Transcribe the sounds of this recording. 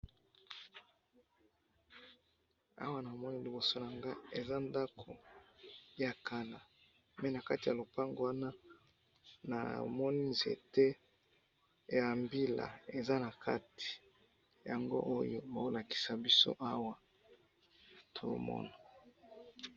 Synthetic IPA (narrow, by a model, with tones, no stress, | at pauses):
a̰˦wa˦na˨mɔ˦ni˦li˨bo˨so˦na˨ŋɡa˦e˨za˦nda˦kʰo˨ | ja˨ka˦la˨ | mɛ˦˨na˨ka˦ti˨ja˨lo˨pa˦ŋɡo˨wa˦na˦ | na̰˨mɔ˦ni˦zḛ˨tɛ˦ | ja˨mbi˦la̰˨e˨za˦na˨kʰa̰˦ti̥˨ | ja˨ŋɡo̰˦ʔo˦jo˦ba˨o˦la˨ki̥˨sa˨bi˦so̰˦ʔa˦wa˨ | tʰo̰˨˦mɔ̰˦na˨